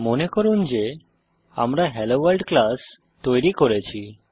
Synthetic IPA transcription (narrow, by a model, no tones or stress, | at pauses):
monekɔɾund͡ʑe | a̰mɾaɦɛloʋalɖklas | t̪ɔjɾikɔɾet͡ɕʰi